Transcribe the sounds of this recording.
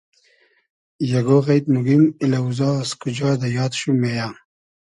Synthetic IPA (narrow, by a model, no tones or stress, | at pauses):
jɐɡoɣajt̪nuɡimilauzɑskud͡ʑɑːd̪ajɑːt̪ɕumeja